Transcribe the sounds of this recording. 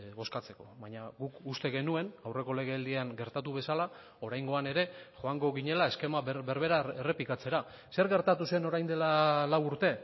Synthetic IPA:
βo̞skat͡se̞ko̞βaɲaɣukust̪e̞ɣe̞nue̞nawre̞ko̞le̞ɣ̞e̞ald̪iaŋɡe̞ɾt̪at̪uβe̞sala | o̞ɾajŋɡo̞ane̞ɾe̞xo̞aŋɡo̞ɣiɲe̞lae̞ske̞maβe̞ɾβe̞ɾaere̞plikat͡se̞ɾa | se̞ɾɣe̞ɾt̪at̪usue̞no̞ɾajnd̪e̞lalawuɾt̪e̞

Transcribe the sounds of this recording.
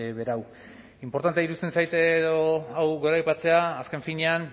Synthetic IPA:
βe̞ɾaw | impo̞ɾt̪ant̪eiɾust̪e̞nsajt̪ðoawɣe̞ɾajpat͡se̞aːske̞ɱfiɲe̞an

